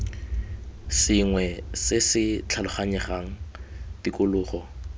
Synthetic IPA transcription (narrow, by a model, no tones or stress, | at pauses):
sɪŋwɛsɪsɪt͡ɬʰalʊχaɲɛχaŋ̩tikʼʊlʊːχɔ